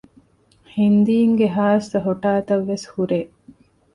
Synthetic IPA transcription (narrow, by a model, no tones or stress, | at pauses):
hind̪iːŋɡeɦaːst̪ɐɦoʈaːt̪ɐʋːeshuɾeʔ